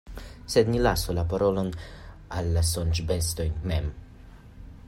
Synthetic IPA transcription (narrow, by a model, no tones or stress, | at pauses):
sed̪nilasolapaɾo̞lo̞n | alːasont͡ʃbest̪o̞jnmem